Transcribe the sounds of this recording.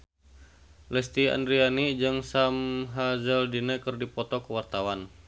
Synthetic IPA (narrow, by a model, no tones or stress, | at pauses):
lɛst̪ia̰ndɾianid͡ʒɨŋsamɦazəldinɛkɨrdipɔt̪ɔkəwart̪awan